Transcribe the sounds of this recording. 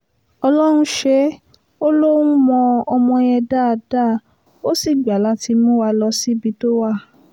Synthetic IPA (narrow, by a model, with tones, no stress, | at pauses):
ɔ˧lɔ˦ɾ̃ũ˧˦ʃe˦ | o˦lo˦ũ˦mɔ̃˧ɔ˧mɔ̃˧j̃ɛ̃˧da˦˨˧da˦˨ | o˦si˦˨ɡ͡ba˨˦la˨˦ti˧mũ˦wa˧lɔ˧si˦bi˧˦to˦wa˦˨